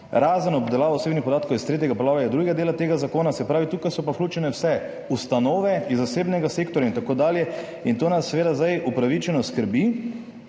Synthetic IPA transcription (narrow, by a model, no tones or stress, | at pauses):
ɾaːzənɔbd̪ɛlaːʋawseːbnixpɔd̪aːt̪kowist̪ɾeːt̪jɛɡapɔlaːʋajɛd̪ɾuɡad̪eːlat̪eːɡazakoːnasɛpɾaːʋit̪uːkajsɔpawklʲuːt͡ʃɛnɛwsɛ | ust̪anoːʋɛizːaseːbnɛɡaseːkt̪ɔɾjaint̪akoːd̪aːljɛ | int̪oːnasːɛʋeːd̪azd̪ajupɾaʋit͡ʃɛnɔskəɾbi